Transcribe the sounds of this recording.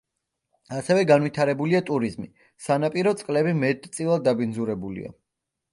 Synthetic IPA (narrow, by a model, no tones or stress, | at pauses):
asɛvɛɡanvwit̪ʰaɾɛbuliat̪ʼuɾizmi | sanapʼiɾɔt̪sʼqʼlɛbimɛt̪ʰʼt̪sʼilˠad̪ːabind̪zuɾɛbulḭa̰